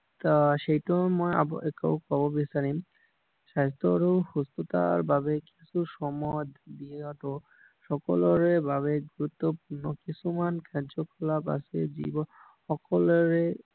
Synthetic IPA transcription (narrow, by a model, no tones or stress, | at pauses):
t̪aʃejʈomɔja̰b̰ekowkɔbobisaɾim | ʃajst̪oɾohust̪ot̪a̰ɾbʱabekisʰuʃɔmɔj̪d̪ieaʈo | ʃɔkolɔɾebʱaβeɡuɾut̪ːopuɾnokisʰumankʰɛɾd͡ʒokʰɔlapa̰sed͡ʑḭbɔ | ɔkolɔɾe